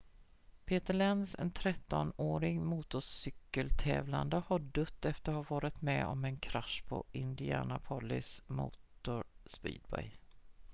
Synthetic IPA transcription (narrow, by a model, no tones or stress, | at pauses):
pʰeːt̪əɭɛnd̪sɛ̰nt̪ʰɾɛt̪ːɔnoːɾɪɡmuːt̪ʊsʏkːəlt̪ʰɛ̰ːvland̪əhɔɖɵt̪ːɛft̪əɾhavɑːɾɪt̪mɛ̰ɔmɛnkʰɾaʂpʰɔ̰ʔɪnd̪ɪæːnapʰɔlːɪsmṵːt̪ʊɾspḭːd̪̚bɛ̰j